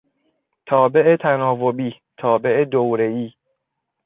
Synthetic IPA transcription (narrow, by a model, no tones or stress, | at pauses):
t̪ʰɒːbe̞ʔet̪ʰænɒːvobiː | t̪ʰɒːbe̞ʔed̪owɾeiː